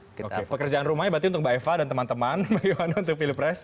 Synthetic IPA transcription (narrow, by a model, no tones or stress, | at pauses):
okepəkərd͡ʒaanrumajbat̪̬iunt̪ʊk̚baefadant̪əmant̪əmanməɡiwanaunt̪ʊk̚filipɾɛs